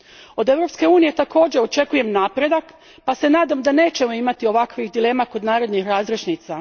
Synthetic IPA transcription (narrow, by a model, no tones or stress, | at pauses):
o̞d̪e̞ʋɾo̞pske̞uːnije̞t̪ako̞ːd͡ʑeo̞t͡ʃe̞kuje̞mnaːpɾe̞d̪ak | pase̞naːd̪amd̪ane̞ːt͡ɕe̞mo̞imat̪io̞ʋakʋixd̪ile̞ːmako̞d̪naːɾe̞d̪nixɾaːzɾeʃnit̪sa